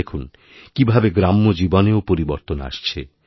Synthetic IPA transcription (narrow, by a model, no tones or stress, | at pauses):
ekʰun | kibʱabeɡɾamːod͡ʑiboneopoɾiboɾt̪ona̰ʃt͡ɕʰe